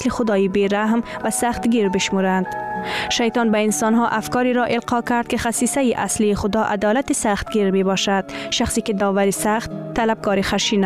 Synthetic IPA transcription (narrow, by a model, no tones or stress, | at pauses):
slixʊd̪ɒːibeɾaɦm | vasaχt̪ɡiɾbɪʃmuɾand̪̥ʃajt̪ɒnbainsɔnɦɔʔafkɒːɾiɾɔʔɪlqɒkæɾd̪̚kɪχasiːsajiʔasliːχʊd̪ɒʔa̰d̪ɒlat̪isaχt̪̚ɡiɾmebɒʃad̪̥ʃaχsikid̪ɒːvaɾisaχt̪ʰːalab̚ɡɒːɾixaʃina